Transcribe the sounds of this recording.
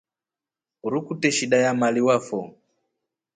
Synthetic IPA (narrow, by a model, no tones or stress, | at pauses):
uɾukutɛʃiɗajamaliwafɔ